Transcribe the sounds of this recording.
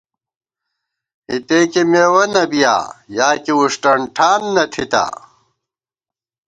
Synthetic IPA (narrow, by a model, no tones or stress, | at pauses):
it̪eːkimewɐnɐbija̰ːjaːkiuʂʈɐɳʈʰaːnːɐt̪ʰit̪a̰